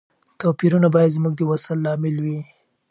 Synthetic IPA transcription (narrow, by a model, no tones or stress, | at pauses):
t̪ɑpiɾunabɑjad̪zmuɡ̚d̪əwasəlːɑmɪlwi